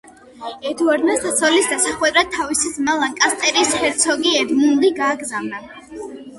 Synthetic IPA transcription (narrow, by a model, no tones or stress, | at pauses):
ɛd̪ʰɔɾnasd̪ʰat̪sʰɔlisd̪asaχwɛd̪ɾad̪̚t̪ʰːavisid̪zmalˠaŋkʼast̪ʼɛɾishɛɾt̪sʰɔɡiɛd̪mund̪iɡaːɡzavna